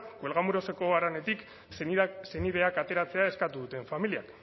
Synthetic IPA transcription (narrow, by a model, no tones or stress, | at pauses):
kwe̞lɣamuɾo̞se̞ko̞aɾane̞t̪ik | se̞nið̞e̞akat̪e̞ɾat͡se̞ae̞skat̪uðut̪e̞ɱfamilia̰k